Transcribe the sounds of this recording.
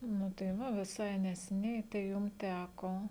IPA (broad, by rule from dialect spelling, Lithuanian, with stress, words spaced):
nʊ tɐɪ ˈʋɐ ʋʲɪˈsɐɪ nʲɛsʲɛˈnʲɛɪ tɐɪ ˈjʊm ˈtʲækoː